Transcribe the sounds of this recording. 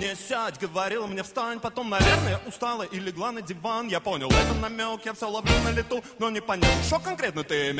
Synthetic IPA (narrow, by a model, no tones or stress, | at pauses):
mnʲesʲatʲɡəvɐɾʲilˠəmnʲefst̪anʲpɐt̪o̞mnɐvʲernəjəʔʊst̪alˠəʔɪlʲɪɡlˠanədʲɪvanjapo̞nʲɪlˠɛt̪ənɐmʲokjafsʲolˠavɾʲemʲnəlʲɪt̪unonʲɪpɐnʲalˠʂt̪okɐnkɾʲet̪nət̪ɨmʲ